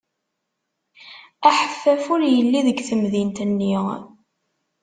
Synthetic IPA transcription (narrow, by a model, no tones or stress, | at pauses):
æħəfːæfʊɾjəlːiðəɡθəmðint̪ənːi